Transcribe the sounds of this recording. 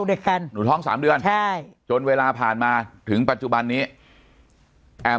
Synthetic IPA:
de˧˩ka˧nnuː˩˦t̪ʰɔː˦˥˩ŋsa̰ː˩˦mdɯ˧ənʰa˥˩jt͡ɕo˧nweː˧laː˧pʰaː˨˩nmaː˧t̪ʰɯ˩˦ŋpa˨˩t̪̚t͡ɕu˨˩ba˧nːiː˦˥ | ʔɛː˧

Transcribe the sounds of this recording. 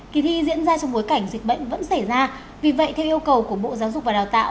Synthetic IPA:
ki˨˦t̪ʰi˧zḭ˧˥ənzaː˧t͡ɕɔ˧ŋ͡mɓo˨˦jka˧˩jŋ̟zi˨˩k̟̚ɓə̰˧˨jŋ̟və̰˧˥nsa˧˩jzaː˧ | vi˨˩və̰˧˨jt̪ʰɛ˧wʔi˧əwkə˨˩wku˧˩əɓo̰˧˨zaː˨˦wzʊ˨˩k͡p̚va˨˩ɗaː˨˩t̪a̰ː˧˨w

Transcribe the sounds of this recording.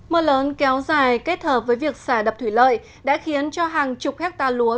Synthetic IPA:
məː˧ləː˨˦nkɛ˨˦wzaː˨˩jke˦˥t̚həː˨˩p̚vəː˨˦jvi˨˩ək̚saː˧˩ɗə˨˩p̚t̪ʰwi˧˩lə̰ː˧˨j | ɗa̰ː˧˥xi˨˦ənt͡ɕɔ˧ɦaː˨˩ŋt͡ɕʊ˨˩k͡p̚hɛ˦˥k̚t̪aː˧˩lu˨˦ə

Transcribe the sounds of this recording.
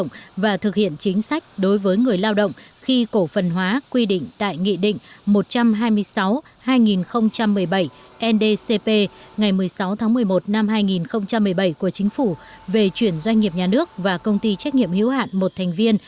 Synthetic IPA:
wŋ͡mvaː˨˩t̪ʰɨ˨˩k̚hḭ˧˨ənt͡ɕï˨˦ŋ̟sa˦˥jk̟̚ɗo˨˦jvəː˨˦jŋɨ˨˩əjlaː˧wɗə̰˧˨wŋ͡m | xi˧ko˧˩fə˨˩nɦwaː˨˦kwi˧ɗḭ̈˧˨ŋ̟t̪a̰ː˧˨jŋḭ˧˨ɗḭ̈˧˨ŋ̟ | mo˨˩t̚t͡ɕa˧mɦaː˧jmɨ˧əjsa˨˦w | haː˧jŋi˨˩nxə˧wŋ͡mt͡ɕa˧mːɨ˨˩əjɓə˧˩j | ʔɛ˧nɗe˧se˧pe˧ | ŋa˨˩jmɨ˨˩əjsa˨˦wt̪ʰaː˨˦ŋmɨ˨˩əjmo˨˩t̚na˧mɦaː˧jŋi˨˩nxə˧wŋ͡mt͡ɕa˧mːɨ˨˩əjɓə˧˩jku˧˩ət͡ɕï˨˦ŋ̟fu˧˩ | ve˨˩t͡ɕwi˧˩ənzwa˧jŋ̟ːi˨˩əp̚ɲaː˨˩nɨ˦˥ək̚vaː˨˩kə˧wŋ͡mt̪i˧t͡ɕa˦˥k̟̚ɲḭ˧˨əmhḭ˧˥wɦa̰ː˧˨nmo˨˩t̚t̪ʰɛ˨˩jŋ̟vi˧ən

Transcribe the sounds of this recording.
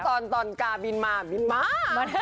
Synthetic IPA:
t̪ɔː˧˩nt̪ɔː˨˩nkaː˧bi˧nmaː˧˩bi˧nmaː˧˥˧

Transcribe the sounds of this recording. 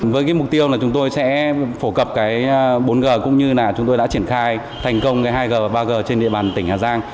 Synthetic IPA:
vəː˨˦jkaː˨˦jmʊ˨˩k͡p̚t̪i˧əwlaː˨˩t͡ɕʊ˨˦ŋ͡mt̪o˧jsɛ̰˧˥fo˧˩kə˨˩p̚kaː˨˦jɓo˨˦nɣəː˨˩kʊ̰˧˥ŋ͡mɲɨ˧naː˨˩t͡ɕʊ˨˦ŋ͡mt̪o˧jɗa̰˧˥t͡ɕi˧˩ənxaː˧j | t̪ʰa˨˩jŋ̟kə˧wŋ͡mkaː˨˦jɦaː˧jɣəː˨˩˨ɓaː˧ɣəː˨˩t͡ɕe˧nɗḭ˧˨əɓaː˨˩nt̪ï˧˩ŋ̟haː˨˩zaː˧ŋ

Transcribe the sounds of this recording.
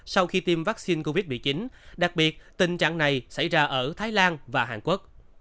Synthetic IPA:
sa˧wxi˧t̪i˧mvaː˦˥k̚si˧nko˧vi˦˥t̚mḭ˧˨˩t͡ɕi˨˦nɗa˨˩k̚ɓi˨˩ət̚t̪ï˨˩ŋt͡ɕa̰ː˧˨ŋna˨˩jsa̰˧˩jzaː˧ʔəː˧˩t̪ʰaː˨˦jlaː˧nvaː˨˩ɦaː˨˩ŋku˦˥ək̚

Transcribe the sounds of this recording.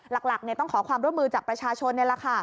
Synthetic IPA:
la˨˩k̚la˨˩k̚ni˥˩ət̪ɔ˥˩ŋkʰɔː˩˦kʰwaː˧mɾu˥˩mːɯː˧t͡ɕaː˨˩k̚pɾa˧t͡ɕʰaː˧t͡ɕʰo˧nːi˥˩la˨˧˩kʰa˥˩

